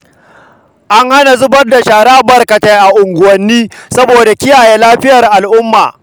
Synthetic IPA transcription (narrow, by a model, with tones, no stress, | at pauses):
ʔa˦ŋha˦na˨zʊ˦bɐ˦rda˨ʃaː˨ɽaː˦bɐ˨rkɐ˨ta˨jʔa˨ʔʊ˨ŋɡʷʊ˨wɐ˦nːiː˦sɐ˦boː˨da˨kʲɪ˦jaː˨jeː˦laː˦ɸɪ˦jɐ˨rʔa˨lʔʊ˦mːa̰ː˨